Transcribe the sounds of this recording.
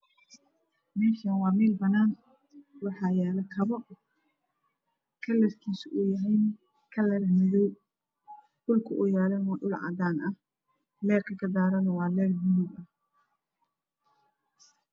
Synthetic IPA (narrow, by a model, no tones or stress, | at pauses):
mɛːʃɐnwɑːmiːlbɐnaːn | wɑħɑːjɛːlɐkʰɐβɐ | kʰɐlɛsk̪ʰiːsʔʊjɐɦɛjn | kʰɐlɛɾɐmɪðɔw | ɗʊlkʰɐʔʊjaːlɛnɔɖʊlʕɑ̰d̪aːnʔɐh | lɛːrkʰɐkʰɐd̪aːɾɐnɐwɑːlɛːrmʊlubɐh